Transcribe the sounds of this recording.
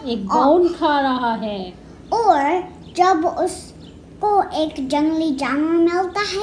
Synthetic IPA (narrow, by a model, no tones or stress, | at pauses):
eːk̚aːnkʰaɾɐɦaɦɛː | ɔːɾ | d͡ʒɐbʊs | koʔeːkd͡ʒɐ̃ŋɡlid͡ʒaːnəmɪlt̪aɦɛː